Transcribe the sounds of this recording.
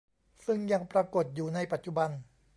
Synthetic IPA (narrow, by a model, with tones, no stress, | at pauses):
sɯ˥˩ŋja˧ŋpɾa˧ko˨˩t̪̚juː˨˩na˧jpa˨˩t̪̚t͡ɕu˧ba˧n